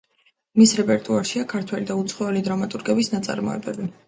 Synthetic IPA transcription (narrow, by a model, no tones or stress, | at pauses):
misɾɛpʼɛɾt̪ʼuaɾʃiakʰaɾt̪ʰwɛlid̪aut̪sʰχɔɛlid̪ɾamat̪ʼuɾɡɛbisnat̪sʼa̰ɾmɔ̰ɛ̰bɛbi